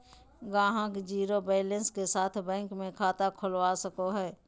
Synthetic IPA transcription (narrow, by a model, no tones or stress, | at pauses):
ɡãːɦãkd͡ʒiːɾobɛːlə̃nskesaːt̪ʰbɛ̃ːŋkmẽkʰaːt̪akʰʊlʋaːsəkoɦɛː